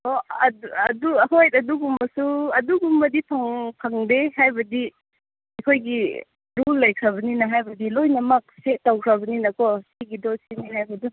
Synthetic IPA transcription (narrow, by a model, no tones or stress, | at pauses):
ɔɐdɐduɦojtɐduɡumbɐsuɐduɡumbɐdipʰaŋpʰaŋdehajbɐdi | ajkʰojɡi | ɾulːɐjkʰɾɐβɐninaɦajbɐdilojnɐmɐk̚setawkʰɾɐβɐninɐkɔsiɡidɔsiniɦajbɐdu